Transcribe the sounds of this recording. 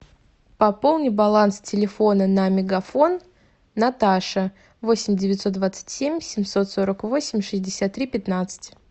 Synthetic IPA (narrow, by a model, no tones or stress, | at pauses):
pɐpo̞lˠnʲɪbɐlˠanstʲɪlʲɪfo̞nənɐmʲɪɡɐfo̞nː | ɐt̪aʂə | vo̞sʲɪmʲdʲɪvʲɪt̪so̞t̪d̪vat̪sɨ̥tʲsʲemʲsʲɪmʲso̞t̪so̞ɾəkvo̞sʲɪmʲʂɨzʲdʲɪsʲat̪ːɾʲipʲɪt̪nat̪sɨ̥tʲ